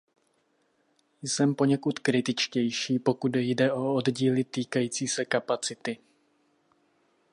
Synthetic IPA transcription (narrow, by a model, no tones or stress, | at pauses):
jsɛmpo̞ɲɛkut̪kɾɪt̪ɪt͡ʃcɛjʃiːpo̞kud̪jdɛʔo̞odɟiːlɪt̪iːkajiːt͡siːsɛkapat͡sɪt̪ɪ